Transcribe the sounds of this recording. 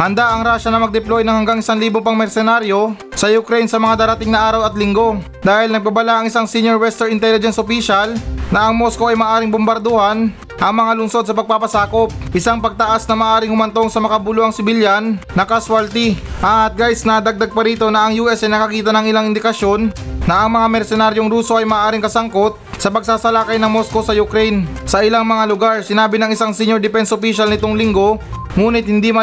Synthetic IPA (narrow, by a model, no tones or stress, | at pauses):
hɐnd̪aʔɐŋɾaːʃɐnɐmɐɡ̚d̪ɛplojnɐŋhɐŋɡaŋɪsaŋliːboŋpɐŋmɛɾsɛnaɾjo̞ | sɐjʊkɾejnsɐmɐŋad̪aːɾɐt̪ɪŋnɐʔaːɾɐwɐt̪lɪŋɡo̞ | d̪aːhɪlnɐɡ̚babɐlaʔɐŋɪsaŋsinjoɹwɛst̪ɛɹɪnt̪ɛlɪd͡ʒɛnsopiːʃɐlnɐʔɐŋmosko̞ɐjmɐaːʔaːɾɪŋbʊmbɐɾd̪ohɐn | ʔɐŋmɐŋalʊnso̞d̪̚sɐpɐɡ̚paːpɐsaːko̞p̚ʔɪsaŋpɐɡ̚t̪ɐʔasnɐmɐːʔaːɾɪŋhʊmɐnt̪o̞ŋsɐmɐkabuloɐŋsɪbɪljannɐkɐsʊalt̪iʔɐt̪̚ɡajsnɐd̪aɡ̚d̪aɡ̚pɐɾiːt̪o̞nɐʔɐŋjuʔɛsɐjnɐkɐkiːt̪ɐnɐŋɪlaŋɪnd̪ɪkɐʃjo̞nːɐʔɐŋmɐŋamɛɾsɛnaɾjoŋɾuːso̞ʔɐjmaːʔaːɾɪŋkɐsɐŋko̞t̪̚ | sɐpɐɡ̚saːsɐlakɐjnɐŋmo̞sko̞sɐjʊkɾɛjnsɐʔɪlaŋmɐŋalʊɡaɾsɪnaːbɪnɐŋɪsaŋsɪɲːoɾd̪ɪpɛnsʔopiʃɐlnɪt̪oŋlɪŋɡo̞ | ŋuːnɪt̪̚hɪnd̪imɐ